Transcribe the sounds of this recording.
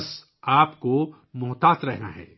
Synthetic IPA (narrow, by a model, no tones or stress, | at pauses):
s | aːpko | mʊːt̪aːt̪ɾɛɦna̰ɦɛ̰ː